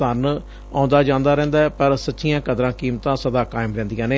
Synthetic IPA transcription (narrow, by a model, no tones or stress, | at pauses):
ən | ãːnd̪aːd͡ʒãːnd̪aːɾɛ̃ːnd̪aːɛpəɾsətːʃɪjãːkəd̪ɾãːkiːmt̪ãːsəd̪aːkaːɪmɾɛ̃ːnd̪ɪjãːneː